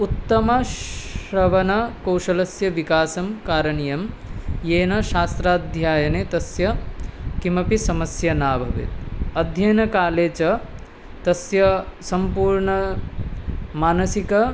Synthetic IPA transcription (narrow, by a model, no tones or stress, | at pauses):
ut̪ːɐmɐʃɾɐʋɐnɐkɐwʃɐlɐsjɐʋikaːsɐmkaːɾɐɳijɐm | jeːnɐʃaːst̪ɾaːd̪ʱjaːjɐneːt̪ɐsjɐkimɐpisɐmɐsjɐnaːbʱɐʋḛt̪̚ɐd̪ʱjɐjnɐkaːleːt͡ʃɐ | t̪ɐsjɐsɐmpuːɾɳɐ | maːnɐsikɐ